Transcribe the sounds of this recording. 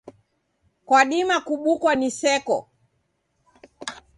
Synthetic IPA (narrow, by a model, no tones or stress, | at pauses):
kwaɗimakuɓukwanisɛkɔ̰